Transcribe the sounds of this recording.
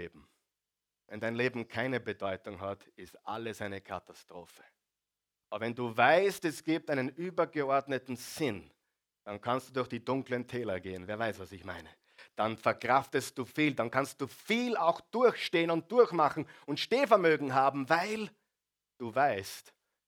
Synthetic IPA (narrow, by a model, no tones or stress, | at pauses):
eːbm̩ | vɛndaɪnleːbm̩kʰaɪnəbədɔʏtʊŋɦatɪstʔa̰ləsaɪnəkʰa̰tastʁ̥oːfə̥ | ʔabɐvɛnduːvaɪstɛsɡ̥iːp̚taɪnənyːbɐɡəɔɐdnətn̩z̥ɪn | d̥ankʰanstd̥uːdʊɐxd̥iːdʊŋkləntʰɛːlɐɡeːənveːɐvaɪsv̥asɪçma̰ɪnə | d̥anfɛɐkʁ̥aftəst̚d̥uːfiːldankʰanst̚d̥uːfiːlaʊxd̥ʊɐçʃteːənʊnt̚d̥ʊɐçmaχn̩ʊntʃneːfɛɐmøːɡŋ̩ɦaːbm̩vaɪl | d̥uːvaɪst